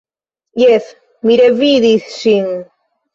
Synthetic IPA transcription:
jeθ | miɾeviðiθsiŋ

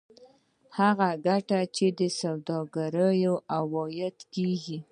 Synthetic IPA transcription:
haɣaɡaʈat͡ʃed̪əsawd̪ɑɡaɾəjoawɑjat̪keɡi

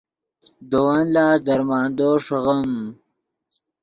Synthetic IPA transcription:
d̪owanlaːd̪ɐɾmɑːnd̪oːʂɣam

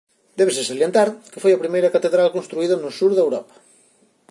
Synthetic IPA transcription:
d̪ɛβes̬esaljent̪aɾke̥fojɐpɾimejɾɐkat̪eðɾalkõnst̪ɾuiðɐnosuɾðɐewɾɔpɐ̥

